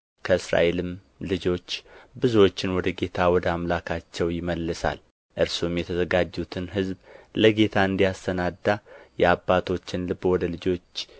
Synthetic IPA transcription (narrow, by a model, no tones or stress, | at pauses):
kʰəɨsɾa̰ʔe̞lɨm | lɨd͡ʒo̞t͡ʃːbɨzuwo̞t͡ʃːɪnwɔd̪əɡe̞t̪ʰawɔd̪əamlakʰat͡ʃːɛwjɪməlːɨsa̰l | ʔɨɾsumjɛt̪ʰəzəɡad͡ʒːut̪ʰɨnɦɨzbləɡe̞t̪ʰaɨnd̪ijast̪ʰənad̪ːajɛabːat̪ʰo̞t͡ʃːɪnlɨbːwɔd̪əlɨd͡ʒo̞t͡ʃː